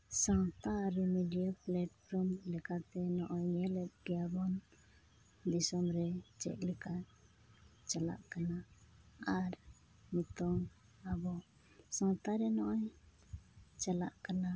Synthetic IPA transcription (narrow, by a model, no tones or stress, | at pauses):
saŋt̪aɾumiɖiaplaʈpʰɾɔmlɛkat̪ɛnɔʔɔɲɲɛlɛt̪̚ɡɛjabɔn | d̪isɔmɾɛt͡ʃɛ̰ʔ̚lɛka | t͡ʃala̰ʔkanaaɾ | mit̪ɔŋ | abɔ | saŋt̪aɾɛnɔʔɔɲ | t͡ʃala̰ʔkana